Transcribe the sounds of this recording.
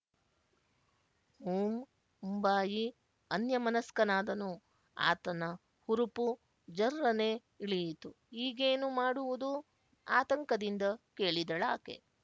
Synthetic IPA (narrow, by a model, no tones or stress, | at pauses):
huːm | mumbaːji | ɐnjɐmɐnɐskɐnaːd̪ɐnu | a̰ːt̪ɐnɐ | huɾupu | d͡ʒɐɾɾɐneː | iɭijit̪u | iːɡeːnumaːɽuʋud̪u | aːt̪ɐŋkɐd̪ind̪ɐke̞ːɭid̪ɐɭaːkḛ